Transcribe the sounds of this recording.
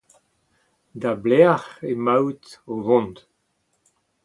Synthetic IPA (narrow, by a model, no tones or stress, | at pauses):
d̪ablɛaʁemawt̪ovɔ̃nd̪